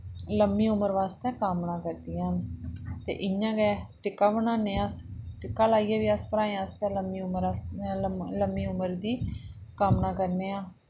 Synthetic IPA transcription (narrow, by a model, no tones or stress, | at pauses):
ləmːĩːʊməɾʋaːst̪ɛ̃ːkaːmnaːkəɾd̪iːãnt̪ḛːʔɪjãːɡɛːʈɪkːaːbənãːneːasʈɪkːaːlaːiːɛːʋiːəspəɾaːẽaəst̪ɛ̃ːləmːiːʊməɾas | ləmːiːʊməɾd̪iːkaːmnaːkəɾneːãː